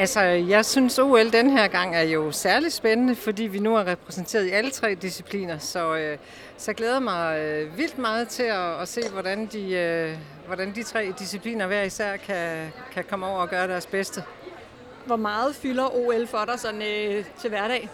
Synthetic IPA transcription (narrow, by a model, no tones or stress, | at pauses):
ælsɒjɑ̈ɪsynso̝̰ːeld̥enəɦæɐ̰ɡ̥ɑ̈ŋ̰æɐjo̝sæɐli̥sb̥enənəfɒ̽dḭːʋinuæɐʁɛpʰʁɛsn̩t͡sʰe̝̰ɐð̞ˠiælət͡sʰʁɛ̰ːd̥isipʰlḭːnɐsɒ̽ø | sɒjɡleːð̞ˠɐmɑ̈ɪʋil̰d̥mɑ̈ːð̞̩ˠt͡sʰe̝ɒːse̝̰ːʋɒɾ̥ænd̥iø | ʋɒɾænd̥it͡sʰʁɛ̰ːd̥isipʰlḭːnɐʋæɐ̰isæɐ̰kʰæ | kʰækʰɒ̽məɒʊ̰ɐɒ̽ɡ̥ɶːɐɾ̥æɐsb̥esd̥ə | ʋɒmɑ̈ːð̞̩ˠfylɐʔo̝elfɒɾɑsɒ̽nøt͡sʰe̝ʋæɐɾɛ̰ː